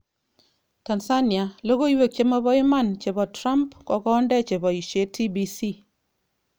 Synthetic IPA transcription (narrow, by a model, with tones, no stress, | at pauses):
ta˨nsa˦nja˨lo˦ko˦iwe˨k̚t͡ʃe˦mɔ˦bɔ˦i˦ma˦˨nt͡ʃe˨bɔ˨tɾa˦mpkɔ˨kɔː˦ndɛ˦t͡ʃe˨bɔ˨i˨ʃe˦tʰi˦bi˦si˦˨